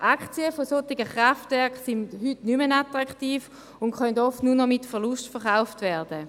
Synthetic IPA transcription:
ʔakt͡siəfosotiɡəχʁaftvɛɐkχsindhytnymənatʁaktiːf | ʊntχœndɔftnunɔmitfɛɐlustfɛʁχaʊftvɛɐd̥ə

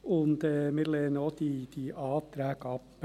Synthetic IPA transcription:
ʊnd̪əmɪːleːnoːd̪iːd̪̥iːʔɑːt̪ʰɾæːkɑp

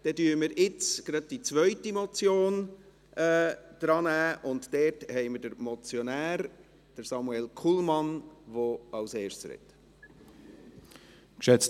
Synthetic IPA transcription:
d̥ɛdyːɾəməɾɪt͡sɡ̥ɾɑd̥̚d̥it͡sʋœʏtimɔt͡sjoːn | ʔɛːd̪̥ɾɑːnæːʔʊntd̥ɛːɾthɛɪməɾdəɾmɔt͡sjɔnæːɾ | d̥əɾsɑmuɛlkʰulmɑnʋoɑʊseːʃtsɾɛ̰t̪ | kʃɛt͡s

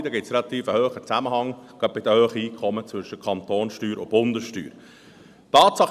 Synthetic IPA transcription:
d̪əɡɪtsɾɛlɑt̪iːfəhøːχət͡sæməhɑŋɡ̥ɑp̚bɪd̪əhøːχəiːkʰχɔmət͡svɵʃəkʰɑnt̪oːnsʃtyːɾʊb̥ʊnd̪əsʃty̰ːɾ | t̪ɑːt̪sɑχ

